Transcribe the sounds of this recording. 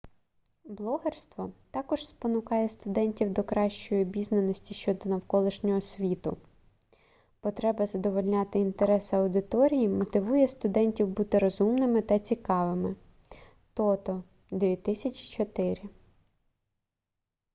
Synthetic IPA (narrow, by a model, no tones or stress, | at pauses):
blˠɔɦerst̪ʋɔt̪ɑkɔʒspɔnʊkɑjɛst̪ʊd̪ɛnʲtʲiwd̪ɔkɾɑʃt͡ʃɔjibʲiznenɔsʲtʲiʃt͡ʃɔd̪ɔnɐwkɔlˠɪʃnʲɔɦɔsʲʋʲit̪ʊ̰ | pɔt̪ɾɛbɐzɐd̪ɔʋɔlʲnʲɑt̪ɪint̪eɾɛsɐwd̪ɪt̪ɔɾʲijimɔt̪ɪʋujɛst̪ʊd̪ɛnʲtʲiwbut̪ɪɾɔzumnɪmɪt̪ɐt͡sʲikɑʋɪmɪ | t̪ɔt̪ɔ | d̪ʋʲit̪ɪsʲɐt͡ʃʲi̥t͡ʃɔt̪ɪɾʲɪ